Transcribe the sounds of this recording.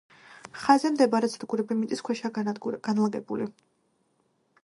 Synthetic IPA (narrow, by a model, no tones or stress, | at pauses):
χazɛmd̪ɛbaɾɛsʰd̪ɡuɾɛbimit̪ʼiskʰwɛʃaɡ̥anlˠaɡɛbuli